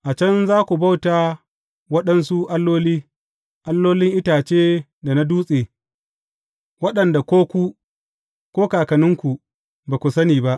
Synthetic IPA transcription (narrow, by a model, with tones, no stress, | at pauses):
ʔa˨t͡ʃɐ˦nzaː˦kʷu˨ba˦wtaː˨ | wɐ˦ɗɐ˦nsu˦ʔa˦lːoː˦liː˦ | ʔa˦lːoː˦lɪ˦ŋʔɪ˦taː˨t͡ʃeː˦ | da˨na˦duː˦sʼeː˨ | wɐ˦ɗɐ˨nda˨kʷoː˦kʷu˦ | kʷoː˦kaː˨kɐ˨nɪ˦ŋkʷu˨ | baː˨kʷu˨sɐ˦niː˨ba˦ʔ